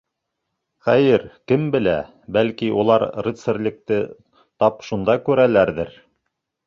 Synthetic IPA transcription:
χæjɘɾkɘmbɘ̆læ̰ | bælkiʔulˠɑɾrit̪sɘ̆ɾlʲɘ̆k̚t̪ɘ | t̪ɑpʃund̪ɑkʉɾælæɾðɘɾ

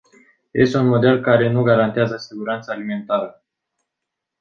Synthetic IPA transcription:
je̞̰st̪e̞unmo̞d̪e̞lkaɾe̞nuɡaɾant̪eazəsiɡuɾant̪salime̞nt̪aɾə

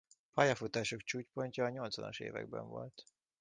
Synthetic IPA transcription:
pɒjɒfut̪aːʃo̞kt͡ʃuːcpo̞ɲcɒːɲo̞lt̪sʋɒ̰noʃḛːvɛ̰ɡ̚bɛ̰ɱvo̞̰lt̪

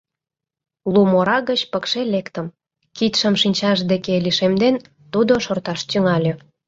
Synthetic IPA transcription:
lumoɾɑɣət͡ɕpəkʃelekt̪əm | kit̪ʃə̆mʃinʲt͡ɕɑʒd̪ekeliʃemd̪en | t̪ud̪oʃort̪ɑʃt̪yŋɑlʲø

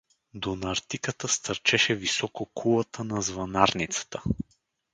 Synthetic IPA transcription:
d̪onɐɾt̪ikət̪əst̪ɐɾt͡ʃɛʃɛvisɔkokʰulˠət̪ʰənɐzvɐnaɾnit̪sə̥t̪ə̥

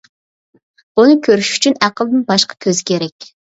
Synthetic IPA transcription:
unɨkʲʰøɾyʃy̥t͡ʃʰynæqʰəlˠd̪ɪnbɑʃqʰɑ̥kʲʰøzɪkʲeɾɛkʲ

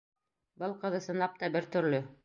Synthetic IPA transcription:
bɤlˠqɤ̆ðɤsɤ̆nlˠɑp̚t̪ɑbɘɾt̪ɵ̆ɾlɵ

